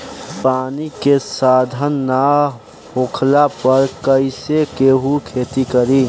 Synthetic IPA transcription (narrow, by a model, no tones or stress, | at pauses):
paːnikesaːd̪ʱənːa | ɦoːkʰlapəɾkəɪsekeːɦukʰeːt̪ikəɾiː